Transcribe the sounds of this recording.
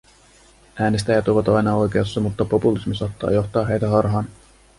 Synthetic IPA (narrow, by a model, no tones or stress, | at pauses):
æːnest̪æjɑt̪uʋɑt̪ɑjnɑo̞jkeɑsːɑmut̪ːɑpo̞pulismisɑːt̪ːɑ̰ːjo̞xt̪ɑːɦejt̪æɦɑrɦɑːn